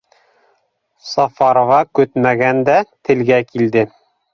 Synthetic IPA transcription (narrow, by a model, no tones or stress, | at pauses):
sɑfɑɾŏvɑkɵt̪mæɡænd̪æt̪ɘ̆lɡækild̪ɘ